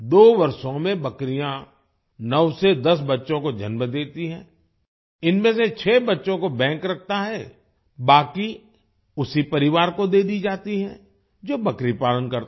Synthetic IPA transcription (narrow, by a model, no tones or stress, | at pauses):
d̪oːʋɐɾsõmẽbɐkɾijã | nəʋsed̪ɐsbɐtːʃõkod͡ʒʱə̰nməd̪eːt̪iɦɛ̰̃ː | ɪnmẽset͡ʃʰɛːbɐtːʃõkobɛ̃ːŋkɾɐk̚ʰt̪aɦɛ | baːki | ʊsipɐɾɪʋaːɾkod̪eːd̪id͡ʒaːt̪iɦɛ̰̃ | d͡ʒoːbɐkɾipaːlənkɐɾt̪